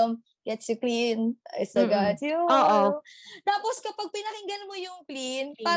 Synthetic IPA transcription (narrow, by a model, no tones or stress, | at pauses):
m | ɡ̥ɛt̪sjʊklina̰jsɐɡatjuoːʔot̪aːposkɐpɐɡ̚pɪnɐɾɪŋɡɐlmojʊŋplinpaː